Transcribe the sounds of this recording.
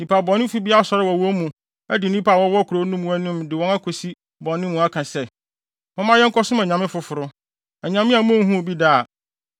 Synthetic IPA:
nĩ˨pʰa˨bɔ̃˨nːɪ̃˦fu˦bi˦a˦˨sɔ˦ɾɪ˦wɔ˨wɔ̃˦mũ˨ | æ˦dɪ˨n˦ĩ˦pʰa˦˨wɔ̃˦wɔ˦kʰʊ˨ɾo˨˦nũ˦mũ˦æ˦nũ˦mdɪ˨wɔ̃˦na˦kʰo˨si˦ | bɔ̃˨nːɪ̃˦mũ˨˦a˦kʰã˨sɛ˦ | mʊ̃˦mã˦jɛ˦ŋ̩˦kʰɔ˦sʊ̃˦mɛ̃˨ɲã˨mɪ̃˦fʊ˨fʊ˨ɾʊ˦ | ɛ˨ɲã˨mɪ̃˦a˨m̃˦ŋ˦ɦũ˦o˨bi˦da˦˨

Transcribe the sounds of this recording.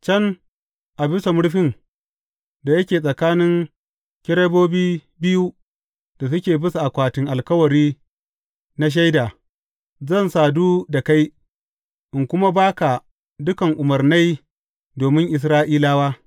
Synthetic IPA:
t͡ʃɐ˦n | ʔa˨bɪ˦sa˨mʊ˦ɽɸɪ˦n | da˨jɐ˦kʲeː˨s̬ʼɐ˨kaː˦nɪ˦ŋ | kʲɪ˦ɾeː˦boː˦biː˦ | bɪ˦ju˦ | d̥a˨s̬ʊ˦kʲeː˨bɪ˦su˨ʔa˨kʷaː˨tɪ˨˦ŋʔa˨lkɐ˦wɐ˨ɾiː˦ | na˦ʃ̬a˦jdaː˨ | zɐ˦˨nsaː˨duː˦da˨ka˦j | ʔɪ˨ŋkʷʊ˦ma˦baː˦ka˨ | dʊ˦kɐ˨ŋʔʊ˨mɐ˨rna˦j | doː˨mɪ˦ŋʔɪ˨s̬ɾaː˦ʔiː˦laː˦waː˦

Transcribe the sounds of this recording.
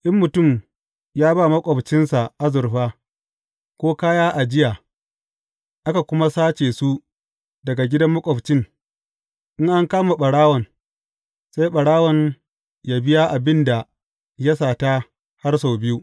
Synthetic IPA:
ʔɪ˦mːʊ˨tʊ˦˨m | jaː˦baː˦˨mɐ˦kʷʼɔ˨ɸt͡ʃɪ˦nsa˨ʔa˦zʊ˨ɾɸaː˦ | kʷoː˦kaː˦jaː˦ʔa˨d͡ʒɪ˦jaː˨ | ʔa˦ka˨kʷʊ˦ma˦saː˦t͡ʃeː˨su˦ | dɐ˨ɡa˨ɡʲɪ˦dɐ˦mːɐ˦kʷʼɔ˨ɸt͡ʃɪ˦ŋ | ʔɪ˦ŋʔa˦ŋkaː˦ma˨ɓɐ˨ɽaː˦wɔ˨n | sa˦jɓɐ˨ɽaː˦wɔ˨ɲ | ja˦bɪ˦ja˦ʔa˨bɪ˦nda˨ | ja˦saː˨ta˦ | ha˦rs̬a˨wbɪ˦ju˦ʔ

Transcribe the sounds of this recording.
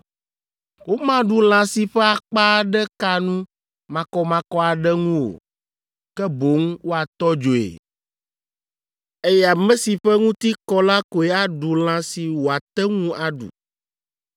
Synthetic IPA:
wo˦mã˦ɖu˨l̃ã˨si˨ɸɛ˦a˨k͡pa˦ɖɛ˦ka˦nũ˦ | mã˨kɔ˦mã˨kɔ˦a˨ɖɛ˦ŋũ˦wo̰˨ | kɛ˦bo˨˦ŋwo˦a˨t̪ɔ˦d͡ʒo˨ḛ˨ | e˦jɛ˦a˨mɛ̃˦si˨ɸɛ˦ŋũ˦t̪i˦kɔ˦la˦ko˨e˨˦a˦ɖu˨l̃ã˨˦si˨wo˨a˨t̪ɛ˦ŋũ˦ʔa˨ɖṵ˨

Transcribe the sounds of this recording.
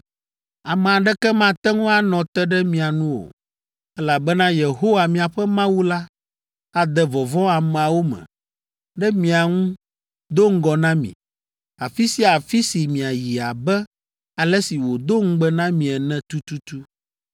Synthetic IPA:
a˨mɛ̃˨a˨ɖɛ˦kɛ˦mã˦t̪ɛ˦ŋũ˦a˦nɔ̃˨t̪ɛ˦ɖɛ˦mĩ˨a˨nũ˦wo̰˨ | ɛ˦la˨bɛ˦nã˦je˨ɦo˦wa˨mĩ˨a˨ɸɛ˦mã˦wu˦la˦ | a˨d̪ɛ˨vɔ˨vɔ̃˦a˨mɛ̃˨a˨wo˦mɛ̰̃˨ | ɖɛ˦mĩ˨a˨ŋũ˦ | d̪o˦ŋ̩˦ɡɔ˨nã˦mḭ̃˨ | a˨fi˦si˦a˨fi˦si˨mĩ˨a˨ji˨a˨bɛ˦ | a˨lɛ˦si˨wo˨d̪o˦ŋ̩˦ɡ͡bɛ˦nã˦mĩ˨ɛ˨nɛ̃˦t̪u˦t̪u˦t̪u˦

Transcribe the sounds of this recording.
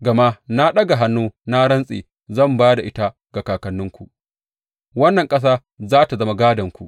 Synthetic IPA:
ɡɐ˨ma˦na˦ɗɐ˦ɡa˨ɦa˦nːuː˦na˦ɽɐ˦nsʼḛː˨ | zɐ˦˨mbaː˦da˨ʔɪ˦ta˦ | ɡ̥a˨kaː˨kɐ˨nːʊ˦ŋkʷṵ˨ʔ | wɐ˦nːɐ˨ŋkʼɐ˦s̬aː˦ | zaː˦ta˨zɐ˦ma˦ɡaː˦dɐ˨ŋkʷu˨ʔ

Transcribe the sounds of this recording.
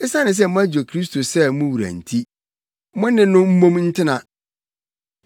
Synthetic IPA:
ɪ˦sa˦nɪ̃˨s̬ɛ˦mʊ̃˦æ˦d͡ʑo˨kʰɾi˦s̬tʰo˨sɛ˦mʊ̃˦wu˨ɾæ̰̃˨n̩˨tʰi˦ | mʊ̃˦nɪ̃˨nʊ̃˦m̩˦mõ˦mn̩˦tʰɪ˦nã˨

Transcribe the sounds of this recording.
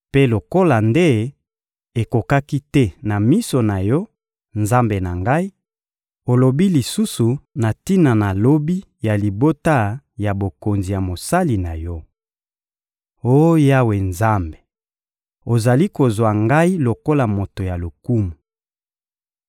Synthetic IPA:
pe˦lo˨ko˦la˨nde˦ | e˨ko˨ka˦ki˦tɛ˦na˨mi˦so˨na˨jɔ˦ | nza˦mbe˨na˨ŋɡa˦i˦ | o˨lo˨bi˦li˨su˦su˨na˨ti˦na˨na˨lo˦bi˦ | ja˨li˨bo˦ta˦ | ja˨bo˨ko˨nzi˨ja˨mo˨sa˦li˨na˨jɔ˦ | o˦ja˦we˨nza˦mbe̥˨ | o˨za˨li˦ko˨zwa˨ŋɡa˦i˦lo˨ko˦la˨mo˨to˨ja˨lo˨ku˦mu˨

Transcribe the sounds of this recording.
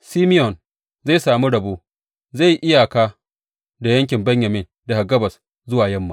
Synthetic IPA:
siː˦mɪ˦jɔ˨n | za˦˨saː˨mi˦ɽɐ˨boː˦ | za˦˨jʔɪ˦ja˨kaː˦ | da˨jɐ˦ŋkʲɪ˨mbɐ˦ɲjɐ˨mɪ˦n | da˨ha˨ɡɐ˦bɐ˨s | zʊ˦waː˨jɐ˦mːa˨˦

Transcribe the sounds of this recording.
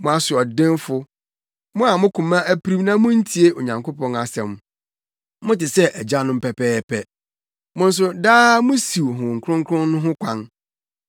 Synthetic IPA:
mʊ̃˨a˨sʊ˨ɔ˨dɪ̃˦nfʊ˦ | mʊ̃˦a˨mʊ̃˦kʰũ˨mã˦ʔæ˦pʰɾi˦mnã˦mʊ̃˦n̩˦tʰi˨e˦o˨ɲã˨ŋkʰo˦pʰɔ̃˦na˨sɛ̃˨m | mʊ̃˦tɪ˨sɛ˦ʔɛ˨d͡ʑa˦nʊ̃˦m̩˦pʰɛ˨pʰɛː˦pʰɛ˨ | mʊ̃˦n̩˦s̬ʊ˦daː˦mʊ̃˦si˨wɦʊ̃˨ŋ̩˨kʰʊ˦ɾʊ̃˦ŋ˦kʰɾʊ̃˦nːʊ̃˦ɦʊ̃˦kʷʰã˦n

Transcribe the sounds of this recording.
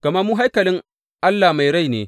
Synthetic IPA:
kɐ˨mɐ˦muː˦ɦa˦jkɐ˨lɪ˦ŋ | ʔa˦lːaː˨ma˨jɽa˦˨jneː˨

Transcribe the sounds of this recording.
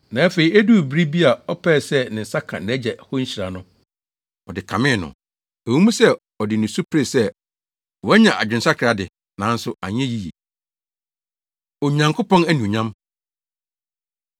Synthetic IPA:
nã˨æ˦fe˨i˨˦æ˦du˦˨bɾi˦bi˦a˨ɔ˦pʰɛː˦˨sɛ˦nɪ̃˨n̩˨sa˦kʰã̰˨ñ˨æ˦d͡ʑɛ˨hʊ˦ɲ̩˦ɕi˨ɾa˨nʊ̃˦ | ɔ˨dɪ˨kʰã˨mɪ̃˦˨nʊ̰̃˨ | æ˨wũ˦mũ˦sɛ˦ | ɔ˨dɪ˨nʊ̃˨su˦pʰe˦˨sɛ˦ | wɔ˨˦ɛ˦ɲã˨ʔa˨d͡ʑᶣɪ˨n̩˨sa˦kʰɪ˨a˦dɪ˨ | nã˨˦n̩˦sʊ˦ʔa̰˨ɲ˦ɛ̃˦ji˦jḭ˨ | ɔ˨ɲã˨ŋkʰo˦pɔ̃˦næ˦nĩ˨ɲã˦m

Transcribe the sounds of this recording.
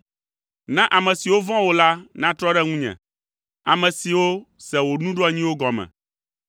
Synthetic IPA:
nã˦ʔa˨mɛ̃˨si˨wo˦vɔ̃˦wo˨la˦nã˦t̪ɾɔ˦ɖɛ˦ŋũ˦ɲɛ̰̃˨ | a˨mɛ̃˨si˨wo˦sɛ˨wo˨nũ˦ɖo˦a˨ɲĩ˦wo˦ɡɔ˨mɛ̰̃˨

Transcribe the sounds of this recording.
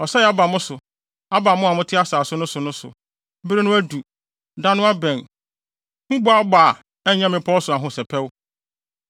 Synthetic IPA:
ɔ˨sɛ˦jɛ˨a˦ba˨mʊ̃˦sʊ˨ | a˦ba˨mʊ̃˦a˨mʊ̃˦tʰɪ˦a˦saː˨sʊ˦nʊ̃˦sʊ˨nʊ̃˦sʊ̰˨ | m̩˦bɾe˦nʊ̃˦æ˦du˨ | dã˦nʊ̃˦a˦bɛ̃˨n | h̩˦bʊ˦a˦baː˨ | ɛ˦˨ɲã˦mɪ̃˨pʰɔ˦sʊ˨a˨ɦʊ̃˦sɛ˨pʰɛ˦w

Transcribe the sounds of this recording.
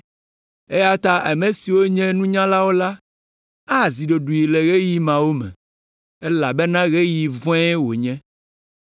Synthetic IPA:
e˦ja˦t̪a˦ʔa˨mɛ̃˨si˨wo˦ɲɛ̃˦nũ˦ɲã˦la˦wo˦la˦ | a˦˨zi˨ɖo˨ɖu˨ji˨le˨ɣe˦ji˦mã˨wo˦mɛ̰̃˨ | ɛ˦la˨bɛ˦nã˦ɣe˦ji˨vɔ̃˦ɛ˦wo˨ɲɛ̃˦

